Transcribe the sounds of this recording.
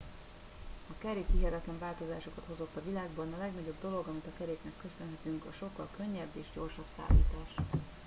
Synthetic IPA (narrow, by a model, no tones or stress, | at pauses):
ɒkɛɾeːkhiɦɛt̪ɛt̪lɛɱvaːlt̪o̞zaːʃo̞kɒt̪ho̞zo̞t̪ːɒvilaːɡbɒnɒlɛɡnɒɟo̞bd̪o̞lo̞ɡɒmit̪ɒkɛɾeːknɛkːø̞sønɦɛt̪yŋkɒʃo̞kːɒlkø̞ɲːɛbːeːʒɟo̞rʃɒbsa̰ːlḭːt̪aːʃ